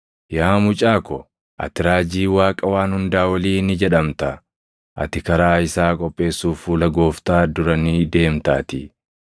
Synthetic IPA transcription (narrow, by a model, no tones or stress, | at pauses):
jaːmʊt͡ʃʼaːkɔ | ʔɐ̰t̪ɪɾaːd͡ʒiːwaːkʼɐwaːnhʊnd̪aːwɐliːnɪd͡ʒɛᶑɐmt̪ɐ | ʔɐ̰t̪ɪkɐɾaːɪsaːkʼɔpʼːe̞ːsːuːfuːlɐɡo̞ːft̪aːd̪ʊɾɐnɪd̪e̞ːmt̪aːt̪ɪ